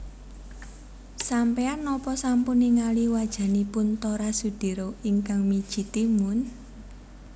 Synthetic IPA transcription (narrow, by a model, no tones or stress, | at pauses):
sampeanːɔpɔsampuniŋaliwad̥ʒ̥a̤nipʊnt̪oɾasud̪̥i̤ɾoiŋkaŋmid̥ʒ̥i̤t̪imʊn